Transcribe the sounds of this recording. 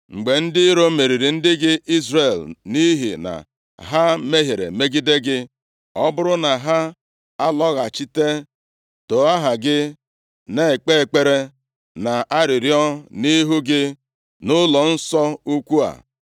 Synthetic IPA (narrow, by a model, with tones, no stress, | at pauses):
ŋ͡m̩˨ɡ͡be˨n̩˦dɪ˦ɾo˦me˨ɾi˨ɾi˨n̩˦dɪ˦ɡɪ˦ʔi˦zɾe˨lni˦ɦḭ˨na̰˨ | ɦa˦me˦ɦe˨ɾḛ˨me˦ɡi˦de˦ɡɪ˦ | ɔ˦bʊ˦ɾʊ˦na˨ɦa˦ | a˦lɔ˦ɣa˨t͡ʃi˦te˦ | to˨a˦ɦa˨ɡɪ˦ | ne˦e˨k͡pe˦e˨k͡pe˦ɾe˦ | na˨a˦ɾɪ˨ɾjɔ˦ni˦ɦu˦ɡɪ˦ | nʊ˦lɔ˨n̩˦sɔ˦u˦kʷu˦a̰˨